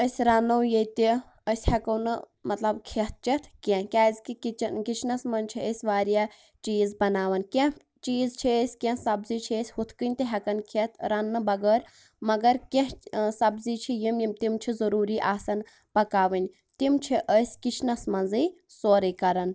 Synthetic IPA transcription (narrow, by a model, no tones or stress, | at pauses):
əsʲɾɐnːɐwjet̪i | əsʲhɐkɐwnɨ | mɐt̪lɐbkʰet̪̚ʰt͡ʃit̪ʰkʲẽkʲaːzʲkikit͡ʃnkit͡ʃʰnɐsmɐnt͡ʃʰiəsʲʋaːɾjaː | t͡ʃiːzbɐnaːʋɐnkʲẽ | t͡ʃiːzt͡ʃʰiəsʲkʲẽsɐbziːt͡ʃʰiəsʲhut̪ʰkɨnʲt̪iɦɐkɐnkʰet̪ʰɾɐnːɨbɐɡəːɾ | mɐɡɐɾkʲẽɦsɐbzit͡ʃʰijimjimt̪imt͡ʃʰizɐɾuːɾiːʔaːsɐn | pɐkaːʋɐnʲ | t̪imt͡ʃʰiʔəsʲkit͡ʃʰnɐsmɐnzɨj | soːɾɨːkɐɾɐn